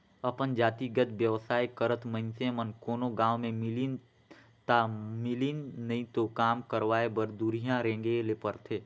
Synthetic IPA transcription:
əpənd͡ʒaːt̪iɡət̪ʋjəʋsaːikəɾət̪mə̃ɪnsẽmənkoːnoɡãːwmẽmɪlin | t̪amɪlinnəĩt̪okaːmkəɾʋaːebəɾd̪uːɾijãɾẽːŋɡelepəɾt̪ʰeː

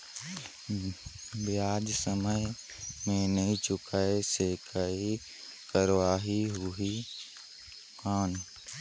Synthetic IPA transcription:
bjaːd͡ʒsəməj | mẽnəĩt͡ʃʊkaesekʰai | kəɾwaːɦiɦʊɦi | kaːn

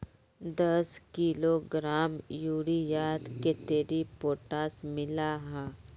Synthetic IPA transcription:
d̪əskiloɡɾaːmjuːɽijaːd̪ket̪eːɾipoːʈaːsmɪlaɦãː

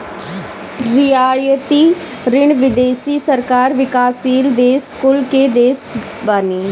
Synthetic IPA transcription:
ɾɪaːjət̪iː | ɾɪɳʋɪd̪eːsiːsəɾkaːɾʋɪkaːsiːld̪eːskʊlkeːd̪eːs | baːniː

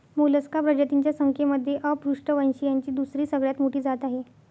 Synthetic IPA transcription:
moləskabɾəd͡ʑat̪iɲt͡ɕjasəŋkʰeməd̪ʱːjeʔəpɾuʂʈəʋənɕiːjaɲt͡ɕiːd̪usɾiːsəɡɭjat̪moʈiːd͡zat̪aɦe

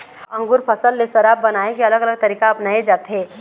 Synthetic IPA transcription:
ɐ̃ŋɡʊɾpʰɐsəlːesɐɾaːbːɐnaːẽkiɐləɡələɡ̚t̪ɐɾiːkaɐpnaːed͡ʒaːt̪ɦeː

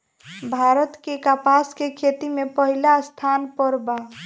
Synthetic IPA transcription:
bʱaɾət̪kekapaskekʰet̪imepəɦilast̪ʰanpəɾba

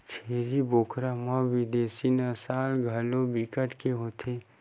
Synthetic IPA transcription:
t͡ʃʰeːɾiboːkʰɾamãʋɪd̪eːsinəsaːlɡʱɐlobikəʈkeɦoːt̪ʰeː

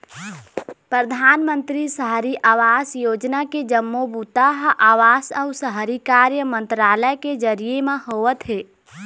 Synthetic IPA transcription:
pɾəd̪ʱaːnmə̃nt̪ɾisəɦɾiʔaːʋaːsjoːd͡ʒnaked͡ʒəmːobut̪aɦʔaːʋaːsəʊsəɦɾikaːɾjəmə̃nt̪ɾaːləeked͡ʒəɾijemẽɦoːʋət̪ɦeː

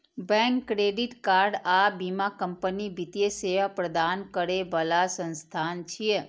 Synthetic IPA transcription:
bɛ̃ŋkːɾeɖiʈkaɾɖabimakəmpənibit̪jeseʋapɾəd̪ankəɾebəlasə̃nst̪ʰant͡ʃʰie

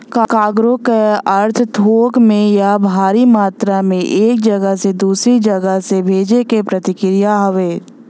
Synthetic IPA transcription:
kakaːɡɾokeɐɾt̪ʰt̪ʰoːkmẽjabʱaːɾimaːt̪ɾamẽʔeːk̚d͡ʒɐɡəɦsed̪uːsɾid͡ʒɐɡəɦsebʱeːd͡ʒekepɾɐt̪ɪkɾɪjaɦɐʋeː

